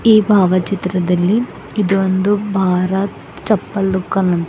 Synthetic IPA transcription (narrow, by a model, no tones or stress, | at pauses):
iːbʱaːʋɐt͡ʃit̪ɾɐd̪ɐlːi | id̪ond̪ubʱaːɾɐt̪ | t͡ʃɐpːɐlːukːɐnɐn